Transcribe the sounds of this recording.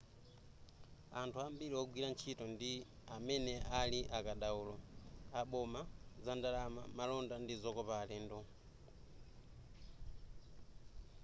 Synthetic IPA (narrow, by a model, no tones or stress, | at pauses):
antʰuambiɾiɔɡwilant͡ʃʰitɔndi | amɛnɛʔaliʔakaɗauːlɔaɓɔmazandalama̰malɔndandizɔkɔpaːlɛːndɔ